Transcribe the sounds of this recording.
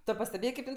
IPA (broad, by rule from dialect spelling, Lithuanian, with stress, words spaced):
tʊ pɐsʲtʲɛˈbʲeːjeː kɐɪp ˈɪn